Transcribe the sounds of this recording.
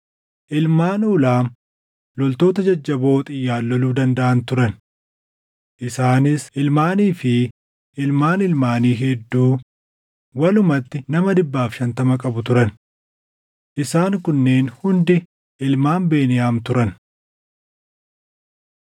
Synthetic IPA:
ʔɪlmaːnuːlaːm | lɔlt̪o̞ːt̪ɐd͡ʒɐd͡ʒːɐbo̞ːt̪ʼɪjːaːlːɔluːd̪ɐnd̪ɐʔɐnt̪ʊɾɐn | ʔɪsaːnɪsʔɪlmaːniːfɪ | ʔɪlmaːnɪlmaːniːɦɛd̪ːuː | wɐlʊmɐt̪ːɪnɐmɐd̪ɪbːaːfʃɐnt̪ɐmɐkʼɐbʊt̪ʊɾɐn | ʔɪsaːŋkʊnːe̞ːnhʊnd̪ɪ | ʔɪlmaːmbe̞ːnɪjaːmt̪ʊɾɐn

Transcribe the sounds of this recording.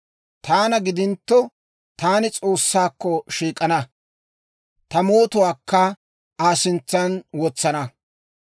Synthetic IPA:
t̪aːnɐɡɪd̪ɪnt̪ːɔ | t̪aːnɪt͡sʼo̞ːsːaːkːɔʃiːkʼːɐnɐ | t̪ɐmo̞ːt̪ʊwaːkʰːɐ | aːsɪnt͡sːɐnwɔt͡sːɐnɐ

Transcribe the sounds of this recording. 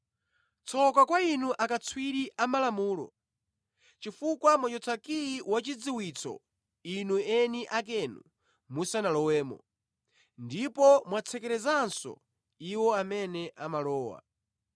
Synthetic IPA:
t͡sʰɔkakwainuʔakat͡sʰwiɾiʔamalamuːlɔ̰ | t͡ʃifukwamwat͡ʃɔt͡sʰakiiwat͡ʃid͡ziwit͡sʰɔ̰ | inuɛniʔak̬ɛnṵ | musanalɔwɛːmɔ̰ | ndipɔmwat͡sʰɛkɛɾɛzansɔ̰ | iwɔamɛnɛʔamalɔːwa̰

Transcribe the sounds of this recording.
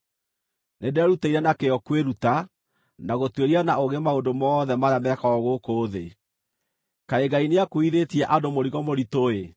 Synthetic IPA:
nedɛɾutaiɾɛnakeɔkweɾuta | naɣotweɾianaoɣemaondomɔːðɛmaɾamɛkaɔɣokoːðe | kaeɡaineakoiðetiɛʔadomoɾiɣɔmoɾitoe

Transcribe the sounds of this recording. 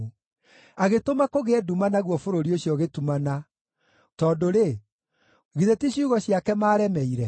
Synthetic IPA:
aɣetomakoɣeɛdumanaɣwɔfoɾoɾioɕiɔɣetumana | tɔdoɾe | ɣiðetiɕuɣɔɕiakɛmaːɾɛmɛiɾɛ

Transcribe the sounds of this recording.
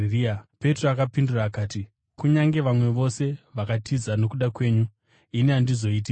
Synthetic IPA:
riape̞troakapinduraːkaːti | kuɲaŋɡe̞ʋamwe̞ʋo̞se̞ʋakatʰizano̞kuɗakwe̞ːɲu | ineandizo̞iːt̬ik

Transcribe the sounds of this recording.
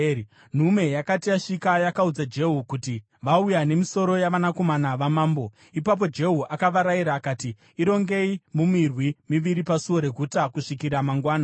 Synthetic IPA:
n̤ume̞jakatiaʂikajakaud͡zad͡ʒe̞ɦukuti | ʋaujane̞miso̞ɾo̞jaʋanako̞manaʋamaːmbo̞ | ipap̬o̞d͡ʒe̞ɦuʔakaʋaɾaiɾaːkatiː | ɾo̞ŋɡe̞imumirwimiʋiɾipasuo̞ɾe̞ɡʱutakuʂikiɾamaŋɡwaːna

